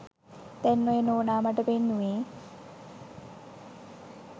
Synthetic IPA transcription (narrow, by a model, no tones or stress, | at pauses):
t̪ɛnːoenoːnaːmɐʈəpenːueː